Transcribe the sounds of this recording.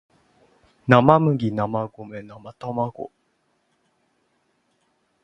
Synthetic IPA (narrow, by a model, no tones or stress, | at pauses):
namamɯ̟ɡʲinamaɡomenamat̪amaɡo̰